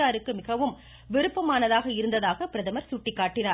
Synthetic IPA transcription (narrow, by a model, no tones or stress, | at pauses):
aːɾɯkːɯmɪɣɐʋɯm | ʋɪɾɯpːɐmaːnɐðaːɣɐɪɾɯnd̪ɐðaːɣɐpɪɾɐðɐmɐɾsuːʈːɪkːaːʈːɪnaː